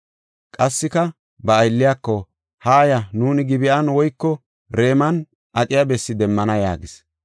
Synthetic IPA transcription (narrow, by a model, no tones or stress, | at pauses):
kʼɐsːɪkɐ | bɐːjlːɪjakːɔ | haːjɐnuːnɪɡɪbɪʔɐnwɔjkːɔ | ɾe̞ːmɐn | ʔɐt̪ʼɪjabɛsːɪd̪ɛmːɐnɐja̰ːɡɪs